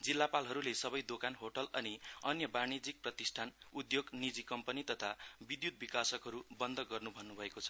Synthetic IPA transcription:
d͡zilːapalɦʌɾulesʌbʌjd̪okanɦoʈʌlʌniʌnjʌbañid͡zik̚prʌt̪isʈʰanud̪joɡnid͡zikʌmpʌnit̪ʌt̪ʰabid̪jut̪̚bikasʌkɦʌɾubʌnd̪ʱʌɡʌrnubʱʌnːubʱʌekot͡sʰʌ̥

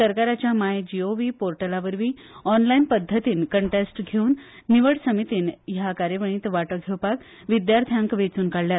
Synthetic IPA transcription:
səɾkaɾat͡ɕjamajd͡ʑioʋiːpoɾʈəlaʋəɾʋiː | ɔnlainpəd̪ʱːət̪iːnkəɳʈesʈɡʱeuːnː | iʋəɽsəmit̪iːnjakaɾjəʋəɳ̃iːt̪ʋaʈəɡʱewpak | ʋid̪jaɾt̪ʰjãŋkʋet͡suːnkaɽljaɾt̪

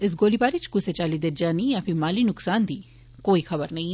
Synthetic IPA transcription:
ɪs̬ɡoːlibaːɾit͡ʃkʊset͡ʃaːlid̪eɾd͡ʒaːnĩɐfʰɪ̃maːlinʊksaːnd̪iː | koːixʰɐbəɾnɐĩ

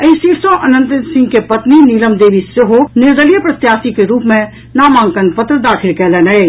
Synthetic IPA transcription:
ɐɪsiːɾsõʔɐnə̃nt̪ɾɪnsɪ̃ŋɡkepɐt̪niniːləmd̪eːʋisjoɦonɪɾd̪əlijəpɾɐt̪jaːsikeɾuːpmẽ | naːmãːŋɡkənpɐt̪ɾəd̪aːxʰɪlkɛlenɐe

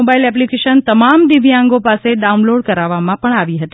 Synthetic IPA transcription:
obailɛp̬likeʃənt̪əmamd̪iʋjãŋɡopaseɖaunloɖkəɾaʋamãpəɳaʋiɦət̪i

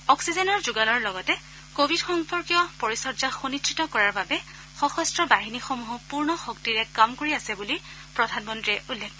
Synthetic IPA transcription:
ɔksizɛnɔɹzuɡanɔɹlɔɡɔtɛ | kobʱidxɔŋpɔɹkijɔpɔɹisɔdd͡ʒaxonitʰɹitɔkɔɹaɹbabɛ | xɔxɔstɹɔbaɦinixomuɦɔpuɹnɔxoktiɹɛkamkoɹiasɛbuli | pɹɔdʱanmɔntɹiɛʔulːɛk̚ʰɔ

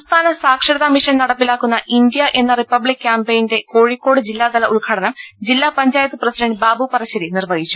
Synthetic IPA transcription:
mst̪ʰaːnɐsaːkʂɐɽɐðamiʂɐnnɐɽɐpːilaːkːunːɐʔindjɐʔe̞nːɐripːɐblikʲːjaːmpejnde̞ko̞ːɻikːo̞ːɽɨd͡ʑilːaːd̪ɐlɐʔulɡʰʱaːɽɐnɐmd͡ʑilːaːpɐɲd͡ʑaːjɐt̪ːɨprɐsidɐɳɖbaːbupɐrɐɕːɐðinirʋɐɡit͡ɕːu̥

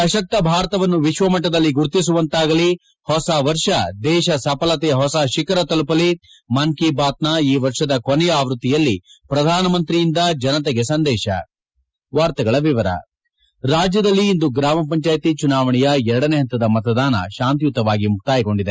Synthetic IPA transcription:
ɐʃɐk̚t̪ːɐbʱaːɾɐt̪ɐʋɐnːuʋiʃʋɐmɐʈ̬ːɐd̪ɐlːiɡuɾt̪is̬uʋɐnt̪aːɡɐli | hɔsɐʋɐɾʂɐd̪ɛːʃɐsɐpɐlɐt̪ɛjɐɦɔsɐʃikɐɾɐt̪ɐlupɐli | mɐŋkibaːt̪̚naiːʋɐɾʂɐd̪ɐkonɛjaːʋɾut̪ːijɐlːipɾɐd̪ʱaːnɐmɐnt̪ɾijind̪ɐd͡ʒɐnɐt̪ɛɡesɐnd̪ɛːʃɐ̰ | ʋaːɾt̪ɐɡɐɭɐʋiʋɐɾɐ̰ | ɾaːd͡ʒjɐd̪ɐlːiːnd̪uɡɾaːmɐp̬ɐɲt͡ʃaːjt̪it͡ʃunaːʋɐɳijɐɛɾɐɽɐneɦɐnt̪ɐd̪ɐmɐt̪ɐd̪aːnɐ̰ʃaːnt̪̬ijut̪ːɐʋaːɡimuk̚t̪aːjiko̞ɳɖid̪e̞

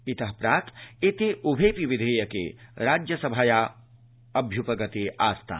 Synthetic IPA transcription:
it̪ɐɦpɾaːt̪et̪eʔubʱeːpiʋɪd̪ʱeːjɐkḛɾaːd͡ʒjɐsɐbʱaːjaː | ɐbʱjupɐɡɐt̪eʔaːst̪ʰa̰ː

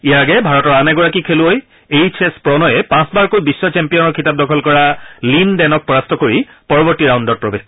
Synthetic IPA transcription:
ijaaɡɛbʱaɹɔtɔɹanɛɡɔɹakikʰelʊoj | ejt͡ʃʰɛspɹɔnɔjɛpãsbaɹkojbisːɔt͡ʃɛmpijɔnɔɹkʰitap̚dɔkʰɔlkɔɹalindɛnɔk̚pɔɹastɔkoɹi | pɔɹɔbɔɹtiɹawndɔɹ̚pɹɔbes

